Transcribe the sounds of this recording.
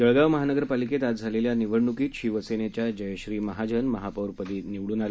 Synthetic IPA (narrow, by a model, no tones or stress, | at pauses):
dəɭɡaʋməɦanəɡəɾpaliket̪ad͡zʱaleljaniʋəɽɳukiːɕiʋəsenet͡ɕjad͡ʑəjɕɾiːməɦad͡ʑənməɦapəwɾpəd̪iːniʋɭuːnal